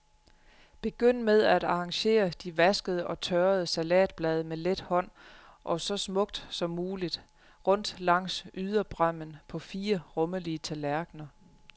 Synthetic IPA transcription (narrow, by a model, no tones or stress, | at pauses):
b̥e̝ɡ̥øn̰með̞ˠæd̥ɑ̈ʁɑ̈ŋɕe̝̰ːɐd̥iʋæsɡ̥əð̞ˠəʔɒ̽t͡sʰœːɐð̞ˠəsælɛ̰ːd̥̚b̥lɛːð̞ˠəmeled̥hɒ̽n̰ | ʔɒ̽sɒ̽smɔ̽ɡ̥̚d̥sɒ̽mːuːlid̥ | ʁɔ̽n̰d̥lɑ̈ŋ̰syð̞ˠɐb̥ʁɶm̰ənpʰɒ̽fiːɐʁɔ̽mɐliət͡sʰælæɐɡ̥nɐ